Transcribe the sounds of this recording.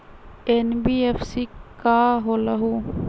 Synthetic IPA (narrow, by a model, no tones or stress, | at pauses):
enbiːefsikaːɦoːlɐɦuː